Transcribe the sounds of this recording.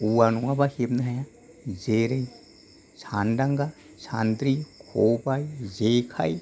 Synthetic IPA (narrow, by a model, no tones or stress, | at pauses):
uwanuwabaheb̚nɯɦaja | zeɾej | sʰanɖaŋɡa | sʰand̪ɾikʰobajzekʰa̰j